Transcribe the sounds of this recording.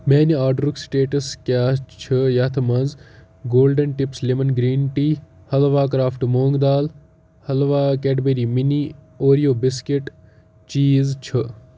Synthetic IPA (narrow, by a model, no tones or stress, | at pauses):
meːniaːɖɾuksʈeːʈɐskʲaːt͡ʃʰɨjɐt̪ʰmɐnz | ɡoːlɖɐnʈipslemɐnɡɾiːnʈiː | hɐlʋaːk̬ɾaːfʰʈmoːŋɡd̪aːl | hɐlʋaːkɛʈbeɾimini | oːɾijoːbiskeʈ | t͡ʃiːzt͡ʃʰɨ